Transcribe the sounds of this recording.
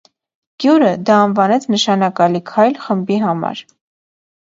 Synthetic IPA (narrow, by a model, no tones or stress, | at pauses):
ɡ̥juɾəd̪ɑːnvɑnɛt͡sʰnəʃɑnɑkɑlikʰɑjlχəmbiɦɑmɑ̰ɾ